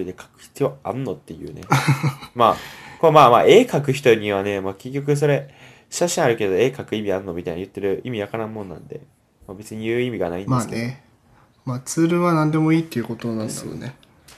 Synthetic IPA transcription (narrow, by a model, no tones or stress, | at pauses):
id̪e̞kʰḁkɯ̟̥çi̥t͡sɨjoaɾɯ̟no̞t̪ːe̞jɯ̟̰ːne̞̰maːkoamaːmaːʔe̞ːkakɯ̟çi̥t̪o̞ɲ̟iβ̞ane̞maːkek̬ʲːo̞k̬ɯ̟s̬o̞ɾe̞ | ɕaɕĩaɾɯ̟ke̞d̪o̞e̞ːkakɯ̟imʲiaɾɯ̟nːo̞mʲit̪aijnajɯ̟t̪ːe̞ɾɯ̟imʲijakanãɯ̃mːonnã̰nd̪e̞̰ | mabe̞t͡sɨɲ̟ijɯ̟ːimʲiɡana̰ĩnmdease | maːt͡sɨːɾɯ̟βanãnd̪e̞mo̞iːt̪ːejɯ̟kot̪onãnd̪sjo̰ne